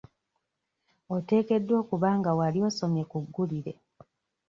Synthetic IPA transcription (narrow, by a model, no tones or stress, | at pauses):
ote̞ːke̞dːwo̞ːkuβaːŋɡawalio̞so̞mjekuɡːuliɾe